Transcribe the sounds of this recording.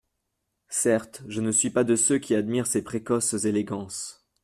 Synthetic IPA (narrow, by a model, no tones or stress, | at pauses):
sɛʁt̪ʒənəsɥipad̪əsøkʲʰiad̪miʁsepχekɔszeleɡɑ̃s